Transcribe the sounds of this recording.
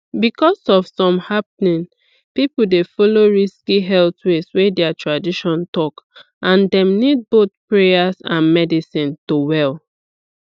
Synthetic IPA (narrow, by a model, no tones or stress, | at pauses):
bikɔsɔfsɔ̃mhapnĩn | pipl̩defɔloɹiskiɦɛltweswedɛatʰɹadiʃɔ̃ntɔk | ʔãndɛ̃mnid̚bot̪̚pɹejasã̰nmɛdisĩntowɛl